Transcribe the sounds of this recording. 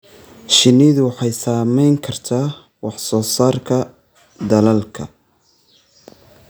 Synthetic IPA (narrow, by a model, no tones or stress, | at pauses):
ʃɪniðʊwɑħɑjsaːmɛjŋkʰɐrt̪ʰaː | wɑħsɔːsaːrkʰɐ | d̪ɐlɐlkʰɐ̰